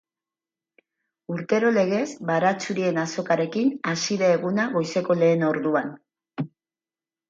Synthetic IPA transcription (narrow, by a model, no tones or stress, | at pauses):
uɾt̪e̞ɾo̞le̞ɣe̞zbaɾat͡suɾie̞naso̞kaɾe̞kinasiðeːɣunaɣo̞jse̞ko̞le̞ːno̞ɾðuan